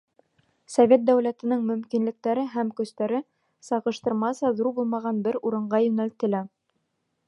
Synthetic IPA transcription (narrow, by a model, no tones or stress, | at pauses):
sovʲet̪̚d̪æwlæt̪ɘ̆nɤŋmɵ̆mkinlɘ̆k̚t̪æɾɘɦæmkɵ̆st̪æɾɘ | sɑʁɤ̆ʃt̪ɤ̆ɾmɑsɑðuɾbulˠmɑʁɑnbɘɾuɾɤ̆ɴɢɑjɵ̆nælt̪ɘ̆læ